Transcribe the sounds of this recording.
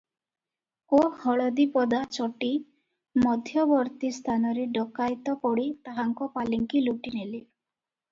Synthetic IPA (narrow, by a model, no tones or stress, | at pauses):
ohɔɭɔd̪ipɔd̪at͡ʃɔʈi | mɔd̪ʱjɔbɔɾt̪ist̪ʰanɔɾeɖɔkajt̪ɔpɔɽit̪aɦaŋkɔpaliŋkiluʈineli